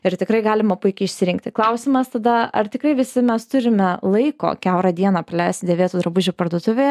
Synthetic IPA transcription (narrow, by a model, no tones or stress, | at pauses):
ɪɾt̪ʲɪkɾɐɪɡɑːlʲɪmɐpʊɪkʲɛɪɪʃʲsʲɪɾʲɪŋkt̪ʲɪklˠɐʊsʲɪmɐst̪ɐd̪ɐɐrt̪ʲɪkɾɐɪʋʲɪsʲɪmʲɛst̪ʊɾʲɪmʲɛlˠɐɪko̰ːkʲæʊɾɐd̪ʲiɛnɑːprɐlʲɛɪst̪d̪ʲeʋʲeːt̪uːd̪ɾɐbʊʒʲupɐrd̪uɔt̪ʊʋʲeː